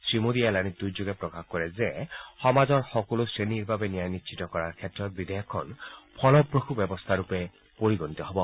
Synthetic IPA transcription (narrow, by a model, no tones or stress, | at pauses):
sɹimod̪ialanid̪ujd͡ʒoɡɛpɹɔkaxkɔɹɛzɛxɔmazɔɹxɔkɔlosɹeniɹbabenijajnitʃʰit̪ɔkɔɹaɹkʰɛtɹɔt̪̚bid̪ɔjɔkʰːɔnpʰɔlɔpɹoxubɛbɔst̪ʰaɹupɛ | poɹiɡɔnit̪ɔɦɔbɔ